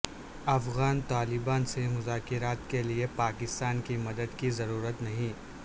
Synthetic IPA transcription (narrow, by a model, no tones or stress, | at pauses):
ɐfɣaːnt̪aːlɪbaːnsemʊzaːkɪɾaːt̪keliepaːkɪst̪aːnkimɐd̪əd̪kizɐɾuːɾət̪nɐɦĩ